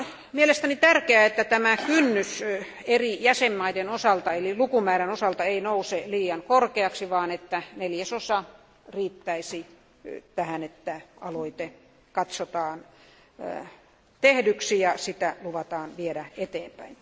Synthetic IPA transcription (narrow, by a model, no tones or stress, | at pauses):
mielest̪ænit̪ærkeæet̪ːæt̪æmækynːys | erijæsemːɑidenosɑlt̪ɑelilukumæːɾænosɑlt̪ɑeinouseliːjɑŋkorkeɑksiʋɑːnet̪ːæneljæsosɑ | riːt̪ːæisi | t̪æhænet̪ːæɑ̰loit̪e | kɑt̪sot̪ɑːn | t̪ehdyksijɑsit̪æluʋɑt̪ɑːnʋiedæet̪eːmpæin